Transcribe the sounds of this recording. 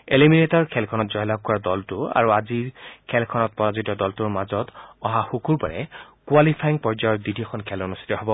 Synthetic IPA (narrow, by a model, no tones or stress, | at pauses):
eliminetɔɹkʰɛlkʰɔnɔtzɔjlak̚ːɔɹadɔltʊa̰ɹuaziɹkʰɛlkʰɔnɔt̚pɔɹazutɔdɔltuɹmazɔtɔɦaxukʰuɹpaɹɛ̰kualipʰajiŋpɔɹzajɔɹdidʱiɔxʰɔnkʰɛlonust̪ʰi̥tɔɦɔbɔ